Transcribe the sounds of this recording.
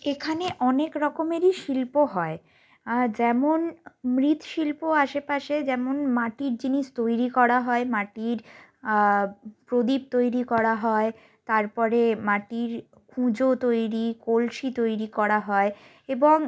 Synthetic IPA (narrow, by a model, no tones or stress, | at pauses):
ekʰaneʔɔnekɾɔkomeɾiʃilpoɦɔe | d͡ʑɛmonmɾit̪ʃilpoaʃepaʃed͡ʑɛmonmaʈiɾd͡ʑiniʃt̪ojɾikɔɾaɦɔemaʈiɾ | pɾod̪ib̚t̪ojɾikɔɾaɦɔe | t̪aɾpɔɾemaʈiɾ | kʰũd͡ʑot̪ojɾikolʃit̪ojɾikɔɾaɦɔe | eboŋ